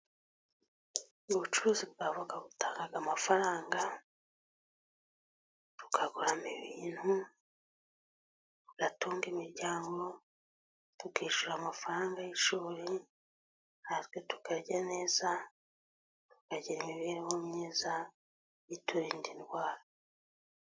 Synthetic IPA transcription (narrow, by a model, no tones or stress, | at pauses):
uβut͡ʃuɾuːzibɡavuɡaɡutaːŋɡaɡamafaɾaːŋɡa | ɾu̥kʰaɡuɾamiβiːn̥hu | ɾuɡ̥atuːŋɡimiɾɟaːŋɡo̞ | tukiːʃuɾamafaɾaːŋɡajiʃuːɾi | naɾɡotu̥kaɾɟaneːza | tu̥kaɟiɾimiβiːɾewomɲeːza | jituɾiːndinɡwaːɾa